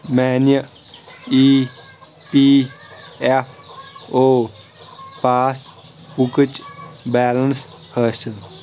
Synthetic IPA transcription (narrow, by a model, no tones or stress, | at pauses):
mɛːnjə | iː | piː | efʰoː | paːs | pukət͡ʃbɛːləns | həsə